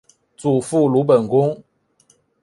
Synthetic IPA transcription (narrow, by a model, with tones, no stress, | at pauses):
t͡su˨˩fu˥˩lu˧˥p̬ə˨˩nkʊ˥ŋ